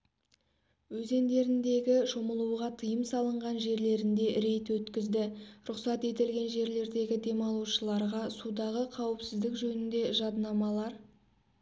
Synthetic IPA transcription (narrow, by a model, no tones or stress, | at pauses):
wɵze̞nd̪e̞ɾɪnd̪e̞ɡʲɪʃoməlˠuwʁɑt̪ʰəjəmsɑlˠəɴʁɑnʒe̞ɾle̞ɾɪnd̪e̞ɾe̞jt̪wɵt̪kʲɪzd̪ɪɾʊqsɑt̪e̞t̪ɪlɡʲe̞nʒe̞ɾle̞ɾd̪e̞ɡʲɪd̪e̞mɑlˠuʃəlˠɑɾʁɑsud̪ɑʁəqʰɑwɪpsɪzd̪ɪkʒɵnɪnd̪e̞ʒɑd̪nɑmɑlˠɑɾ